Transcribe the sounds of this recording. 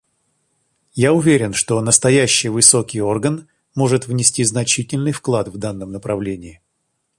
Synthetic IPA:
jaʊvʲeɾʲɪnʂt̪o̞nəst̪ɐjæɕːɪjvɨso̞kʲɪjo̞rɡən | mo̞ʐɨt̪vnʲɪsʲtʲiznɐt͡ɕitʲɪlʲnɨjfklˠat̪vd̪anːəmnəpɾɐvlʲenʲɪɪ

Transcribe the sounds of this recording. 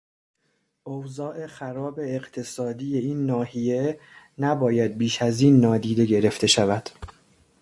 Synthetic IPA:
ʔowzɒːʔe̞xæɾɒːbe̞ːɢt̪ʰe̞sɒːd̪iːje̞iːnːɒːhije̞ | næbɒːjæd̪̚biːʃæziːnːɒːd̪iːd̪e̞ɟe̞ɾe̞ft̪ʰe̞ʃævæd̪̥

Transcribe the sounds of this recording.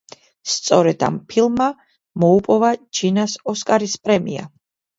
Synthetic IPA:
st̪sʼɔɾɛd̪̥a̰mpʰilˠmːa | mɔupʼɔvad͡ʒinasɔskʼaɾispʼɾɛmia̰

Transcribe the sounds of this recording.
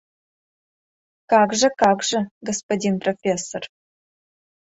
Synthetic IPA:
kaːɡʐɐkaːɡʐɐɡɐspodʲinprofʲeːsor

